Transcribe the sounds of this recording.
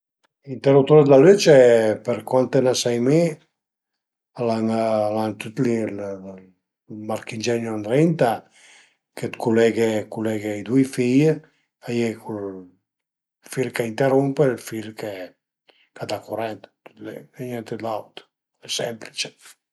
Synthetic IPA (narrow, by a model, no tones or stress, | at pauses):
int̪erup̚t̪oɾd̪laløt͡ʃepeɾkwant̪enasajme | alaŋlant̪ut̪lil | maɾkind͡ʒɛnjoand̪ɾɛnt̪a | kʰet̪kulɛɡekulɛɡeid̪ujfij | ajekʰul | filkaint̪eɾumpelfilke | kad̪akuɾɛnt̪t̪u̥t̪leɛɲɛnt̪ed̪lawt̪ | ɛsɛmplit͡ʃe̥